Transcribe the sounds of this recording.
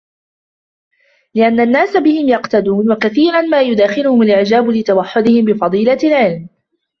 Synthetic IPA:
lɪʔanːanːaːsabɪhɪmjɑqt̪ad̪uːnwakaθiːɾˤanmaːjʊd̪aːxɪlʊhʊmʊlʔɪʕd͡ʒaːbʊlɪt̪awaħːʊd̪ɪhɪmbɪfɑd̪ˤiːlalʕɪlm

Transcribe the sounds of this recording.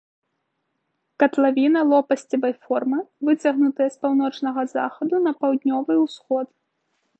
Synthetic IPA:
kɐt̪lˠavʲinɐlˠɔpɐsʲt͡sʲɐvɐjfɔrmɨvɨt͡sʲɐɣnut̪ɨjɐspawn̪ɔt͡ʂnɐɣɐza̰xɐd̪unɐpawd̪ʲnʲɔvɨwsxɔt̪

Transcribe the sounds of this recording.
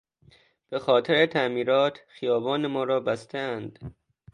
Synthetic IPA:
b̥exɒːt̪ʰeɾet̪ʰæʔmiːɾɒːt̪ʰxijɒːbɒːnemɒːɾɒːbæst̪ʰæænd̪̥

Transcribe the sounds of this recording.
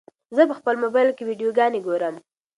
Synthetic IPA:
zəpəxpəlmobɑjlkewiɖijoɡɑneɡoɾəm

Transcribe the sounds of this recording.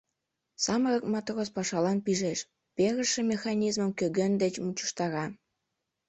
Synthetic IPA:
sɑmərɤkmɑt̪rospɑʃɑlɑnpiʒeʃ | peɣə̆ʃĕmʲexɑnʲizməmkøɣend̪et͡ɕmut͡ɕu̥ʃt̪ɑɾɑ

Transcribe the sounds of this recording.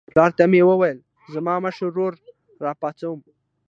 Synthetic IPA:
plɑɾt̪amewəwajəl | zamɑməʃəɾːoɾː | ɑpɑt͡sawəm

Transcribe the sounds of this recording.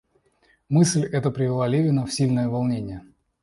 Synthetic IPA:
mɨsʲlʲɛt̪əpɾʲɪvʲɪlˠalʲevʲɪnəfsʲilʲnəjəvalˠnʲenʲɪjə

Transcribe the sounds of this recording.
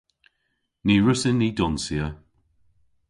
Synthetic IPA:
niːɹʊsɪnːiːdɔnsiə

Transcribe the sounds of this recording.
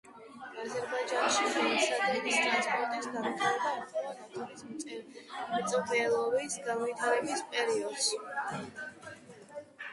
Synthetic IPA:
azɛɾbad͡ʒanʃiχamɛt̪sʰad̪ɾɛd̪ist̪ʼɾanspʼɔɾt̪ʼisɡamit̪ʰaɾɛbaimpʰɔɾɔnat̪ʰɔɾis | mt̪sʼbɛlˠɔɾisɡanvit̪ʰaɾɛbispʼɛɾiɔd̪s

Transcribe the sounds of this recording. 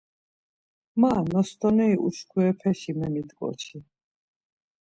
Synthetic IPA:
manɔst̪ʼɔnɛiʔuskʰuɛpʰɛʃimɛmit̪kʼɔ̰t͡ʃʰi

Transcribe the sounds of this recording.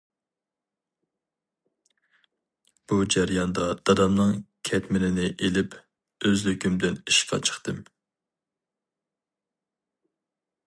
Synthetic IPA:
b̥ud͡ʒæɾjɑnd̪ɑd̪̥ɑd̪ɑmnɨŋkʲʰɛt̪mɪnɪnɪʔelɪp | øzlykʲymd̪ɪniʃpʰɑ̰t͡ʃʰə̥χt̪ɨm

